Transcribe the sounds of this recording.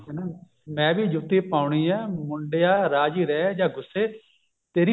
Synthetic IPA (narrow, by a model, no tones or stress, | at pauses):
ɛna | mɛ̃ːbiːd͡ʒʊt̪ːiːpaːʊɳiːɛːmʊɳɖejaːɾaːd͡ʒiːɾɛːd͡ʒaːɡʊsːeː | t̪eːɾi